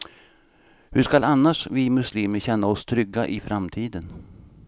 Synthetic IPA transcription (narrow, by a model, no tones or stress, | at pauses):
hɵʂkalanːaʂvɪmɵsliːməɾɕɛnːaɔst̪ʰɾʏɡːaʔɪfɾʔamt̪ʰiːd̪ən